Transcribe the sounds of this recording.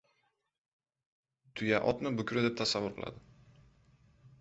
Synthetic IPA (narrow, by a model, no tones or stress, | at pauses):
t̪ʰʊjaʔɒt̪nɪbʊkʲɾɪd̪e̞p̚t̪ʰasavːʊɾqʰɨlˠa̰d̪ɪ